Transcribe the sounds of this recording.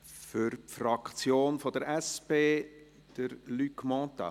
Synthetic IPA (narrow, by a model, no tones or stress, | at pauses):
fʏɾpfrɑkt͡sjoːnfɔd̥əɾʔɛspeː | d̥əɾlykmɔ̃ːt̪a̰